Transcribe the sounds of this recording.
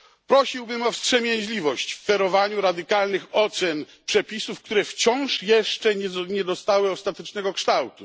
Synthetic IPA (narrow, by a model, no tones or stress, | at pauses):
pɾɔɕiwbɘmɔfstʂɛmʲjɛɲʑlʲivɔɕt͡ɕfːɛɾɔvaɲuɾad̪ɘkalnɘxɔt̪sɛn | pʂɛpʲisufk̚t̪uɾɛft͡ɕɔ̃w̃ʂjɛʂt͡ʂɛɲɲɛd̪ɔst̪awɘɔst̪at̪ɛt͡ʂnɛɡɔkʂt̪awt̪u